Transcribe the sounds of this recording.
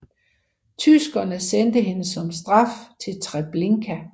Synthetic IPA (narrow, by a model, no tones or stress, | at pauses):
t͡sʰysɡ̥ɐnəsend̥əɦe̝nəsɒ̽msd̥ʁɑ̈ft͡sʰe̝lt͡sʰʁab̥le̝ŋkʰæ